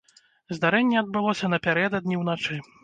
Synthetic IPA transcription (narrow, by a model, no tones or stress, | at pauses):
zd̪aɾɛnʲːɛɐd̪̚bɨlˠɔsʲɐnɐpʲaɾɛd̪ɐd̪̚nʲiwnat͡ʂɨ